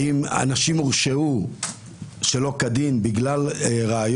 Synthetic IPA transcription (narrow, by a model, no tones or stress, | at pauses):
ima̰naʃimuʁʃeu | ʃelo̞kad̪imbiɡlalʁeaj